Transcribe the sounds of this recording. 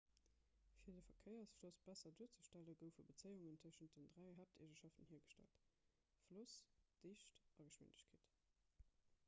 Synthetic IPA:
fiːɐdəfɐkʰəɪɐsflosb̥æsɐduːɐt͡səʃtæləɡəʊfəbət͡səɪuŋəntʰʉəʃənt̚dəndʁæɪɦæːp̚tʰeʒəʃɑftənhiːɐɡəʃtæ̰lt | flusd̥eːɕtɑɡəʃwɪ̰ndəɕkʰeːt

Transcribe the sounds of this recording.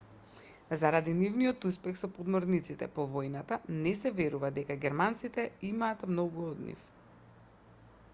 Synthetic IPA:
zaɾad̪inivnijɔt̪uspɛxsɔpɔd̪mɔɾnit̪sit̪ɛ̰pɔvɔjnat̪anɛsɛvɛɾuvad̪ɛkaɡɛɾmant̪sit̪ɛimaːt̪mnɔɡuɔd̪nḭf

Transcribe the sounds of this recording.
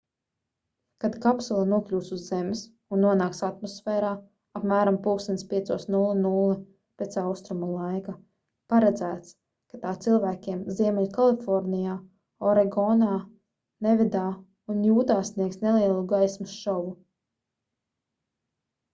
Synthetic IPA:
kad̪kapsulˠanuɔklʲuːsuzːems | unːuɔnaːksat̪mɔsfɛːɾaː | apmæːɾampulˠksinspʲiɛsuɔsnulˠanulˠɨ | pet̪sawst̪ɾumulˠajka | paɾɛd̪zæːt̪s | kat̪aːt̪silˠvæːkʲiɛmziɛmɛʎʲkalˠifɔɾnijaː | ɔɾɛɡɔnaː | nevʲid̪aː | unjuːt̪aːsniɛksnelˠiɛlˠuɡajsmusʃɔvu

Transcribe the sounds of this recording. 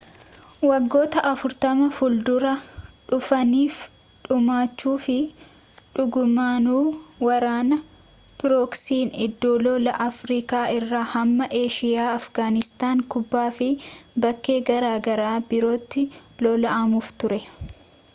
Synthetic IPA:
wɐɡːo̞ːt̪ɐʔɐfʊɾt̪ɐmɐfʊld̪ʊɾɐᶑʊfɐniːf | ᶑʊmaːt͡ʃːuːfɪ | ᶑʊɡʊmaːnuːwɐɾaːnɐ | pɪɾɔksiːnɪd̪ːoːlɔlɐʔɐfɾiːkaːʔɪrːaːhɐmːɐʔe̞ːʃɪjaːɐfɡaːnɪst̪aːŋkʊbːaːfɪbɐkːe̞ːɡɐɾaːɡɐɾaːbɪɾoːt̪ːɪ | lɔlɐʔɐmuːft̪ʊɾɛ

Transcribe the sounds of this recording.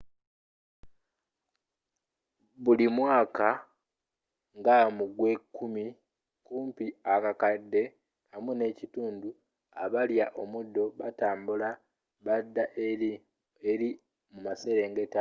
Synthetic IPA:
βulimwaːka | ŋɡamuɡwe̞kːumi | kuːmpiakakadːe̞ | hamune̞cituːndu | a̰βaljaʔo̞mudːo̞βataːmbula | βadːaʔ | eɾi | mumase̞ːɾe̞ːŋɡe̞ta

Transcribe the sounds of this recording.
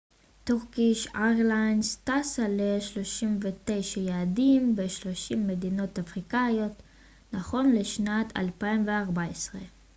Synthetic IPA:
t̪oʁkiʃaʁlajnstasaleʃlo̞ʃimvet̪e̞jʃajaːdimbeʃlo̞ʃimːe̞d̪ino̞tafʁikajo̞t | naχo̞nleʃnatʰa̰lpaimveaʁbaesʁe

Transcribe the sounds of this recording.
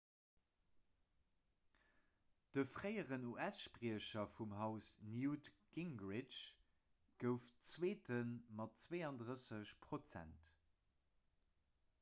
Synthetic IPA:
d̥əfʁəɪəʁənuʔæsʃpʁiəɕɐfumɦɑʊsnjutɡ̥iŋɡʁɪt͡ʃ | ɡ̥əʊft͡sweːtʰənmɑtt͡sweːɑndʁəsəɕpʰʁot͡sæ̰nt

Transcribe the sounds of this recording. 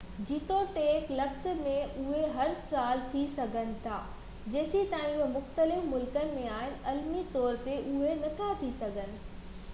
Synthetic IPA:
d͡ʑiːt̪ɔːɾt̪eɪklɐxt̪̆mẽʔʊɦeɦɐɾsaːlt̪ʰisɐɡʱənɪ̆t̪ʰaː | d͡ʑeːsit̪aːɦĩuemʊxt̪əlɪfmʊlkənɪ̆mẽaːɦɪnɪ̆ʔɐlmit̪ɔːɾt̪eʔʊɦenɐt̪ʰat̪ʰisɐɡʱənɪ̆

